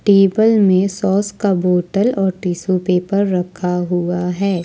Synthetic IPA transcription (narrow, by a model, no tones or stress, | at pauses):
ʈeːbəlmẽsɔːskaboːʈəlɔːɾʈiːsopeːpɐɾːɐkʰaɦuaɦɛː